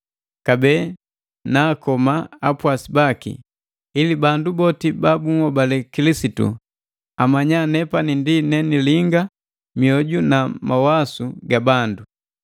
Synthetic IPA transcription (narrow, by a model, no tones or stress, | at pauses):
kabɛː | naːkɔmaapwasibakḭ | ilibandubɔtibabuŋɔbalɛkilisitṵ | amaɲanɛpanindinɛniliŋɡa | miɔɟunamawasuɡabandu